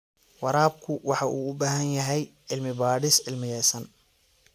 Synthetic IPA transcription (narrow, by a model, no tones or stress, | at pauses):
wɑɾaːb̚kʰʊwɑħɑʔuːʊbaːɦɐnjɐɦɛjʔɪlmɪbaːɽɪsʕɪlmɪjɛːsɐn